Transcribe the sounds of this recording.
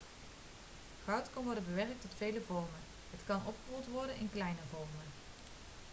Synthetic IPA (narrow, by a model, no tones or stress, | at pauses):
χɑwtkɑnʋɔɹdənbəʋɛrk̚tɔtfejləvɔɹmən | ɦətkɑnʔɔpχəɦulˠtʋɔɹdənɪnklɛjnəvɔɹmən